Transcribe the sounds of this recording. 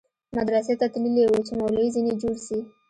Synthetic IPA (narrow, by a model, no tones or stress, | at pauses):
mad̪ɾaset̪at̪lilewot͡ʃemawlaizined͡ʒoɽsi